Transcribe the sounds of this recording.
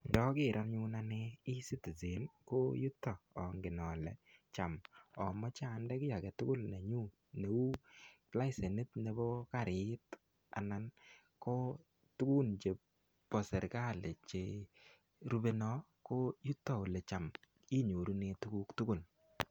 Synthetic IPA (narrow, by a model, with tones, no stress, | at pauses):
ndɔ˦kɪ˨ɾa˦nɲu˦na˦ne˦i˦si˦ti˨ze˨˦nko˦ju˦tːɔ˨ɔ˨ŋɡɪ˨nɔ˨lɛ̰˨t͡ʃa˨mɔ˨mɔ˦t͡ʃa˦˨ndɛ˦kɪ˦ja˨kɛ˨tʊ˦kʊ˦lne˨ɲu˦ | ne˨u˦la˦ɪ˦se˨ni˦tne˨bɔ˦ka˦˨ɾɪ˨˦t | a̰˨na˦n | ko˦ | tu˦ku˦nt͡ʃe˨ | pɔ˨sɛ˨ɾka˦˨le˨t͡ʃe˨ | ɾu˦be˦nɔ˦ | ko˦ju˦tːɔ˨o˨lɛ˨t͡ʃa˨m | i˦ɲo˨ɾu˦ne˦tu˦ku˦ktʊ˦kʊ˦˨l